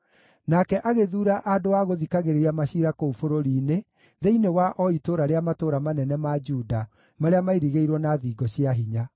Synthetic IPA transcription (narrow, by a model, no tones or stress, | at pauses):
nakɛʔaɣeðuːɾaʔadoaɣoðikaɣeɾeɾiamaɕiɾakoufoɾoɾiːne | ðeinewaʔɔitoɾaɾeamatoɾamanɛnɛmad͡ʒuda | maɾeamaiɾiɣeiɾwɔnaðiːɡɔɕiaɦiɲa